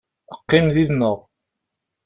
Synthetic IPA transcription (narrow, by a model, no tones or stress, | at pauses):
əqːɪmðiðnəʁ